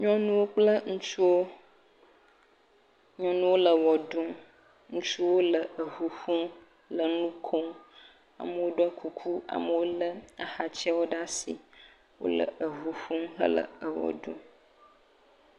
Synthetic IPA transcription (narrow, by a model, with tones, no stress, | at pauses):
ɲɔ̃˦nũ˦wo˦k͡plə˦ŋũ˦t͡ʃu˦wo˦ | ɲɔ̃˦nũ˦wo˦lə˨wɔ˨ɖũ˦ | ŋũ˦t͡ʃu˦wo˦lə˨ə˨ɦu˨ɸũ˦ | lə˨nũ˦kʰo˦ | a̰˨mə˨wo˦ɖo˦a˦kʰu˨kʰu˦a̰˨mə˨wo˦lə˦a˨xa˨t͡ʃɛ˦wo˦ɖa˦si˨ | wo̰˦lə̰˨ʔə˨ɦu˨ɸũ˦ɦə̰˦lə̰˨ə˨wɔ̰˨ɖṵ̃˦